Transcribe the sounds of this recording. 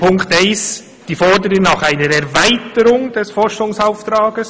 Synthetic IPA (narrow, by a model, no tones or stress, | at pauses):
pʊŋktɛɪs | d̥iːfɔdəɾənɑxaɪnəɾɛɾvaɪtəɾʊŋd̥ɛsfɔɾʃʊŋsaʊft̪ɾɑːɡəs